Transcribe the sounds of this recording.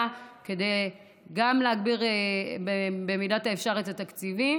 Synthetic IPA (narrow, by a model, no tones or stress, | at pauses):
ke̞dej | ɡamleaɡbiʁebebemidataefʃaʁetatakt͡sivi